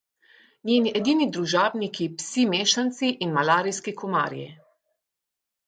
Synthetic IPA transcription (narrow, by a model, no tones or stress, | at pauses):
nʲjeːniʔɛd̪iːnid̪ɾuʒaːbnikipsimeːʃant̪siʔinmalaːɾijskikɔma̰ːɾjɛ̰